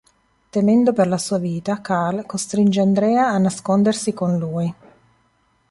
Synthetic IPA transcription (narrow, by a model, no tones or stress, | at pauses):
t̪emɛnd̪operlasuːaviːt̪akalkost̪ɾind͡ʒeand̪ɾɛːaːnːaskond̪ersikonluːi